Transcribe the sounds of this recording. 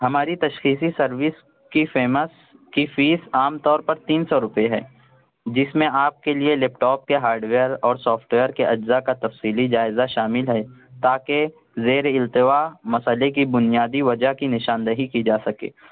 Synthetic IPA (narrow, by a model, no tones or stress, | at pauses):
ɦɐmaːɾit̪ɐʃxiːsisɐɾʋɪs | kifeːməs | kifiːsaːmt̪ɔːɾpɐɾt̪iːnsɔɾʊpeɦɛː | d͡ʒɪsmẽʔaːp̚kelielɛːpʈɔːp̚keɦaːɾɖʋeːəɾɔːɾsɔːfʈʋeːəɾkeʔɐd͡ʒzakat̪ɐfsiːlid͡ʒaːɪzaʃaːmɪlɦɛt̪aːke | zeːɾɪlt̪ɪʋamɐsəlek̬ibʊnijaːd̪iʋɐd͡ʒaɦkinɪʃaːnd̪əɦikid͡ʒaːsɐkḛː